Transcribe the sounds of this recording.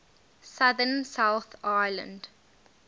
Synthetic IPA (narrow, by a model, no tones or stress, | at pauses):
saðənsawθaɪlə̰̃nd